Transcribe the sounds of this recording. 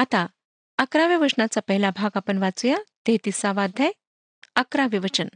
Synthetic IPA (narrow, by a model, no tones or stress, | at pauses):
at̪a | əkɾaʋiʋəʂnat͡sapəɦilabʱaɡapəɳʋat͡sujat̪et̪isaʋad̪ʱaj | əkɾaʋiʋət͡ɕən